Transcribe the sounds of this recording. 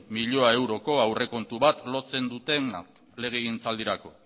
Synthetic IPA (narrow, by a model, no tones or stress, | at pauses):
miʎo̞ae̞wɾo̞ko̞awre̞ko̞nt̪uβat̪lo̞t͡se̞nd̪ut̪e̞nak | le̞ɣ̞eɣint͡sald̪iɾako̞